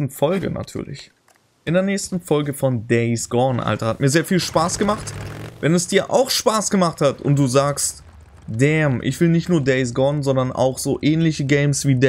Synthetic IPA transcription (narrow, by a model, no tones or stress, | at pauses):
tn̩fɔlɡə̰na̰tʰyːɐlɪ̰ç | ʔɪndeːɐnɛːçstn̩fɔlɡəfɔndɛɪsɡ̥ɔɐnʔa̰ltɐhat̚miːɐzeːɐfiːlʃpaːsɡ̥əmaχtvɛnɛsd̥iːɐʔa̰ʊxʃpaːsɡ̥əmaχthatʊ̰ntd̥uːzaːkst | d̥ɛmʔɪ̰çv̥ɪlnɪçtnuːɐdɛɪs̬ɡɔɐnzɔndɐnʔa̰ʊxz̥oːʔɛːnlɪçəɡɛɪmsv̥iːdɛ